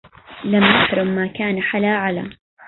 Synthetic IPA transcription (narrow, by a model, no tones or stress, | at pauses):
lamnaħɾˤʊmːaːkaːnaħalaːʕala̰